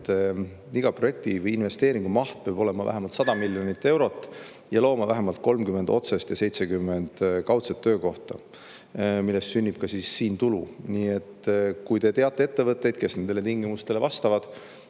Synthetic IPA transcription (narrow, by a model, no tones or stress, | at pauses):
t̪ | iɡ̥ɑproje̞k̚t̪ivɤjinve̞st̪e̞ːɾiŋɡ̥umɑht̪̚peɑb̥o̞le̞mɑvæ̰ɦemɑlt̪sɑd̪̥ɑmiljo̞nʲit̪ːe̞wɾo̞t̪ːˑ | jɑlo̞ːmɑvæɦemɑlt̪̚ko̞lmkymeno̞̰t̪sest̪jɑse̞jt̪sekymːe̞nd̪̥kɑwt̪set̪ːøːko̞ht̪ɑ̰ | milːe̞st̪synʲːib̥̚kɑsiːsːiːnt̪ulṵniːe̞t̪ːkujt̪e̞t̪e̞ɑt̪ːˑe̞e̞t̪ːe̞vɤt̪ːˑe̞jd̪̥ke̞sne̞nd̪̥e̞le̞t̪iŋɡimust̪ele̞vɑst̪ɑvɑd̪̥